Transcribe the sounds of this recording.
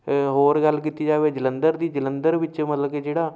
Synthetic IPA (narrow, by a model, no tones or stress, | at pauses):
ɦoːɾɡəlːkiːt̪iːd͡ʒaːʋeːd͡ʒələnd̪əɾd̪iːd͡ʒələnd̪əɾʋɪt͡ʃmət̪ləkeːd͡ʒeːɽaː